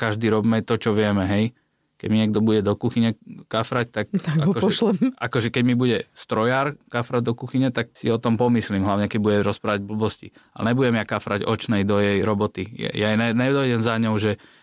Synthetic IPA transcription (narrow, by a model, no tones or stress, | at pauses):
kaʒd̪iɾɔbmɛt̪ɔt͡ʃɔʋɪɛmɛɦɛj | kɛ̰ɟmiɲɪɛɡ̚d̪ɔbuɟɛd̪ɔkuxiɲɛkafɾact̪ak̪̚aɡakɔʒɔʃɛakɔʒɛkɛɟmibuɟɛst̪ɾɔjaːɾkafɾad̪ɔkuxiɲɛt̪ak̚sḭɔt̪ɔmpɔmislimɦlaʊɲɛkɛɟ̚buɟɛɾɔspɾaːʋaɟbl̩bɔscḭalɛ̰ɲɛbuɟɛmjakafɾaɟɔt͡ʃnɛjd̪ɔjɛjɾɔbɔt̪ija̰jajnɛnɛd̪ɔjɟɛmzaɲɔʊʒɛ